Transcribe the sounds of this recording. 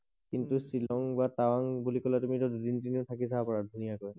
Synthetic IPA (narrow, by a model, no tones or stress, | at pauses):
kintusilɔŋbatawaŋbulikɔlatumitɔdudintiniʊtʰakisapɔɹadʱunijakɔj